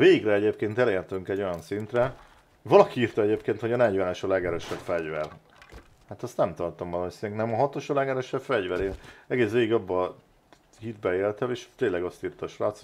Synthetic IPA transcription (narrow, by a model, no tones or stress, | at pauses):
veːɡiɡrɛɛɟeːpkeːnt̪ɛleːɾt̪yŋkɛɟːo̞jɒnsint̪rɛ | vɒlɒkiiːrt̪ɒɛɟeːpkeːnt̪ho̞ɟɒnɛɟvɛnɛʃɒlɛɡɛɾøːʃɛbfɛɟvɛr | hat̪ɒst̪nɛmt̪ɒrt̪omvɒlɒmosinɛŋknɛmɒɦɒt̪o̞ʃɒlɛɡɛɾøːʃɛbfɛɟʋɛɾeːnɛɡeːsʋeːɡiɡɒbːɒ | hid̪bɛeːlt̪ɛmeːʃt̪eːnlːɛɡɒst̪iːrt̪ɒːʃraːt̪s